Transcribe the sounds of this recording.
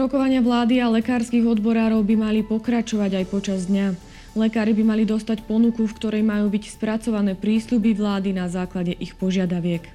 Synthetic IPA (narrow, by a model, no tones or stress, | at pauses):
ɾɔkɔʋaɲɪaʋlaːd̪ialɛkaːɾskiɣɔd̪bɔɾaːɾɔʊbimalipɔkɾat͡ʃɔʋaɟajpɔt͡ʃazd̪ɲa | lɛkaːɾibimalid̪ɔst̪acpɔnukufkt̪ɔɾɛjmajuːbicspɾat͡sɔʋanɛːpɾiːslubiʋlaːd̪inazaːklaɟɛʔixpɔʒɪad̪aʋɪɛk